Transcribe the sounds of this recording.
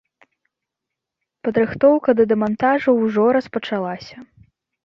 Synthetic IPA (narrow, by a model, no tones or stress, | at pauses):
pɐd̪ɾɨxt̪ɔwkɐd̪ɐd̪ɛmant̪aʐɐwʐɔɾɐspɐt͡ʂalˠasʲɐ